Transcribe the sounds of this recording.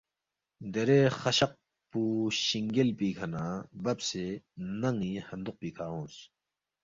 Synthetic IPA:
d̪eɾeːxɐɕɐq̚ | puːɕiŋɡelpiːkʰɐnaːbɐbsenɐŋiːhɐnd̪uq̚piːkʰaːõːs

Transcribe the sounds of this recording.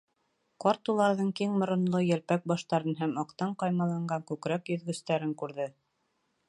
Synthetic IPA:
qɑɾt̪ulˠɑɾðɤɴkiŋmŏɾŏnlˠojælpæk̚bɑʃt̪ɑɾɤnɦæmɑqt̪ɑɴqɑjmɑlˠɑɴɢɑŋkʉkɾækjɵ̆ðɡɵ̆st̪æɾɘŋkʉɾðɘ

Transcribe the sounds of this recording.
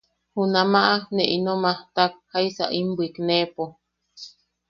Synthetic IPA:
hunamaʔaneʔinomaht̪ak̚haisa̰ʔimbiknepo

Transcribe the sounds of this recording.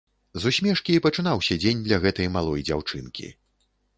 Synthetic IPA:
zusʲmʲɛʂkʲiːpɐt͡ʂɨn̪awsʲɐd͡zʲenʲd̪lʲɐɣɛt̪ɐjmalˠɔjd͡zʲawt͡ʂɨnkʲḭ

